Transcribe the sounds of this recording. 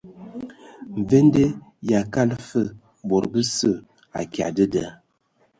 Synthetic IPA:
ɱ̩˨ve˦nde˦ja˨ka˦lfə˦˨ | bo˨ɾbə˦sə˦˨ | a̰˨kja̰˨də˦də˨˦

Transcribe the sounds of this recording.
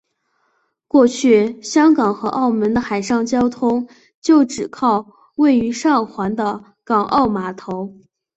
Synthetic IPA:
kwɔ˥˧t͡ɕʰy˥˩ɕjɑ˥ŋkɑ˨˩ŋxɤ˧˥ʔɑ˥˩ʊmə˧˥nd̪ə˧xa˨˩ɪʂɑ˥˩ŋt͡ɕjɑ˥ʊt̪ʰʊ˥ŋ | t͡ɕjo˥˩ʊʈ͡ʂɻ̩˨˩kʰɑ˥˧ʊ | we˥˩ɪy˧˥ʂɑ˥˩ŋxwa˧˥nd̪ə˧ | kɑ˨˩ŋʔɑ˥˩ʊma˧˥t̪ʰo˧˥ʊ

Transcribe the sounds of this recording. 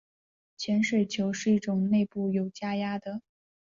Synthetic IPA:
t͡ɕʰjɛ˧˥nʂe˥˩ɪt͡ɕʰjo˧˥ʊʂɻ̩˥˧i˥˩ʈ͡ʂʊ˨˩ŋne˥˧ɪpu˥˩jo˨˩ʊt͡ɕja˥ja˥d̪ə˨

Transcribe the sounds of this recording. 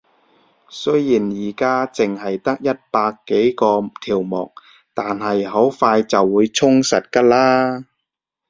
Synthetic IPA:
sɵ˥ɥjiː˨˩njiː˨˩kaː˥t͡sɪ˨ŋɦɐ˨jt̪ɐ˥k̚jɐ˥t̚paː˧kːe˨˥jkɔː˧t̪ʰiː˨˩wmɔ̰ː˨˩k̚ | t̪aː˨nɦɐ˨jɦo˨˥wfaː˧jt͡sɐ˨wːuː˨˧jt͡sʰʊ˥ŋsɐ˨t̚kɐ˧˥laː˥

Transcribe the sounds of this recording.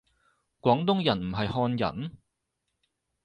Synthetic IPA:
kwʷɔː˨˥ŋt̪ʊ˥ŋjɐ˨˩nm̩˨˩ɦɐ˨jhɔː˧njɐ̰˨˩n

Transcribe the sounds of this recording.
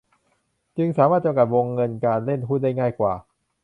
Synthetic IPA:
t͡ɕɯ˧ŋsaː˩˦maː˥˩t͡ɕa˧mka˨˩wo˧ŋːɤ˧nkaː˧nle˥˩nɦʰuː˦˥˩n̚da˥˩jŋaː˥˩jkwaː˨˩

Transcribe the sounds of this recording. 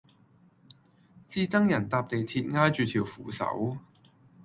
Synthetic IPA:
t͡siː˧˥t͡sɐ˥ŋjɐ˨˩nt̪aː˧p̚t̪e˨jt̪ʰiː˧t̚ŋaː˥jt͡ʃyː˨˧t̪ʰiː˨˩wfuː˨˩sɐ̰˨˥w

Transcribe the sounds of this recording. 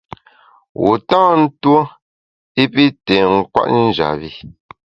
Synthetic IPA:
wu˨tãː˦n̩˦two˦ | i˦pi˦tɛ˨ŋ̩˦kwa̰˦ʔn̩˦˨d͡ʒa̰˨βi˦

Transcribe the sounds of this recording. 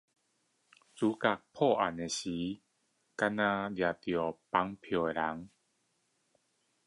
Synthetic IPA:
t͡su˨˦ka˧˩k̚pʰɔ˥˧˨ʔa̰˨ne˨˩ɕi˨˦ | ka˧˥nã˧dja˨t̪jɔ˨˩pa˦ŋpʰjɔ˨˩e˨la˨˦ŋ

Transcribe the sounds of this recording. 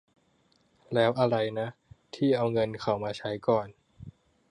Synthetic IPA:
lɛː˦˥wʔa˧ɾa˧jna˦˥ʔt̪ʰiː˥˩ʔa˧wŋɤ˧nkʰa˨˩wmaː˧t͡ɕʰa˦˥jkɔː˨˩n

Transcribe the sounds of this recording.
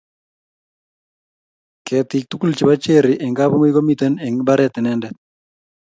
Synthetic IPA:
kʰɛt̪ɪk̚t̪u˦ku˦lt͡ʃi˨ba˦t͡ʃe˦ɾɪʔɛ˨ŋɡa˦bo˦mo˦i˦ɡo˦mit̪ɛ˦nɛ˨ŋba˦ɾɛt̪ɪ˨nɛndɛt̪̚

